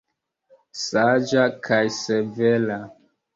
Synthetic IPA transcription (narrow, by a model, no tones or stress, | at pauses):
sad͡ʒakʰajsevela